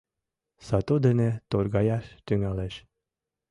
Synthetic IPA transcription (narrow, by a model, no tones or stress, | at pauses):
sɑt̪ud̪enet̪orɣɑjɑʃt̪yŋæleʃ